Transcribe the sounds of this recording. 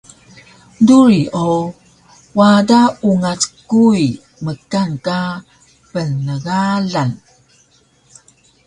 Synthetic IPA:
duɾio | wadauŋat͡skuj | məkanka | pənəɡaɮan

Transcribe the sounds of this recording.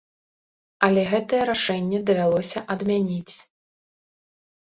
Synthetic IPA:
ɐlʲɛɣɛt̪ɐjɛɾaʂɛnʲːɛd̪ɐvʲalˠɔsʲɐʔɐd̪mʲanʲit͡sʲ

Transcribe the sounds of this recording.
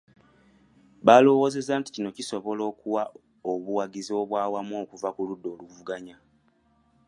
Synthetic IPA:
βaːlo̞wo̞ːze̞zaːnti̥cino̞ciso̞βo̞lo̞ːkuwa | oβuwaɡizo̞ːβwaːwamo̞ːkuvakuludːo̞ːluvuɡaɲa

